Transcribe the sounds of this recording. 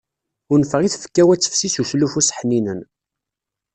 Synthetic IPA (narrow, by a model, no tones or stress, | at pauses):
ʊɾnfəʁiθfə̥kːæwæt͡sːə̥fsisuslufusħninən